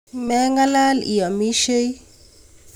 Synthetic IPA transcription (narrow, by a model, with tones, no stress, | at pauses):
mɛ˦ŋɡa˦la˦lḭ˨ja˨mi˦ʃe˦j